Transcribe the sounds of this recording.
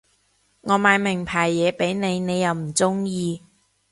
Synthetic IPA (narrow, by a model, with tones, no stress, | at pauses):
ŋɔː˨˧maː˨˧jmɪ˨˩ŋpʰaː˨˩jːɛː˨˧pe˨˥jne˨˧jne˨˧jːɐ˨˧wm̩˨˩t͡sʊ˥ŋjiː˧